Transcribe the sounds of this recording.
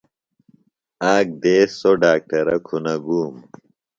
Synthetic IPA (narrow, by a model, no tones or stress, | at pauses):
aːk̚d̪eːsoɖaːk̚ʈɐɾɐ̰kʰunɐɡuːm